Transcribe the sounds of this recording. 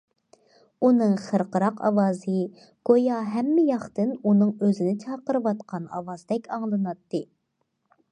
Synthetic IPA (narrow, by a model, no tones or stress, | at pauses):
unɨŋχəɾqəɾɑqʰɑ̰wɑːzɨ | ɡ̥ojɑɦɛmːɪjɑχt̪ɨnunɨŋøzɪnɪt͡ʃʰɑːqəɾɨwɑt̪qʰɑnɑ̰vɑzd̪ɛkʲʰɑŋlˠɨnɑt̪ːɨ